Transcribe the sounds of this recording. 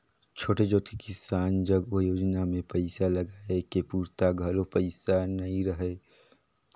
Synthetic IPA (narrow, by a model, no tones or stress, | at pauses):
t͡ʃʰoːʈed͡ʒoːt̪kekɪsaːnd͡ʒəɡojoːd͡ʒnamẽpɐɪsalɐɡaːekepuːɾt̪aɡʱɐlopɐɪsanɐĩɾəɦe